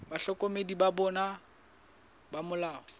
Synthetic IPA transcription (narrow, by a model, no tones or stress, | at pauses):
baɬɔkʼɔmedibabɔna | bamʊlaːɔ